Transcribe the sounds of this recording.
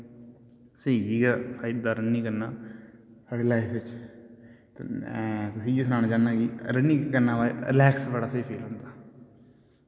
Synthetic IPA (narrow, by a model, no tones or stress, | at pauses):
seiiːɡapʰaːɪd̪ːaːɾənːiːkəɾnaːsaːɽeːlaːipʰɪt͡ʃ | t̪ | t̪ʊsĩːd͡ʒisnãːnaːd͡ʒaːnːaːɡiːɾənːiːkəɾnaːʋaːɾɪlɛːksbəɽaːseipʰeːlɦʊ̃ːnd̪aː